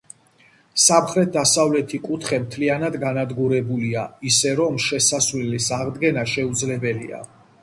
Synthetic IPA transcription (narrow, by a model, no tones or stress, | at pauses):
samχɾɛt̪̚d̪asavlɛt̪ʰikʼut̪ʰχɛmt̪ʰlianad̪ɡanad̪ɡuɾɛbuliaisɛɾɔmʃɛsasvlilisaʁd̪ɡɛnaʃɛud̪zlɛbɛlḭa̰